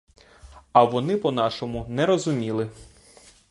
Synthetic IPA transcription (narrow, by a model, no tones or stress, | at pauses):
ɐʋɔnɪpɔnɑʃɔmʊnɛɾɔzʊmʲilˠɪ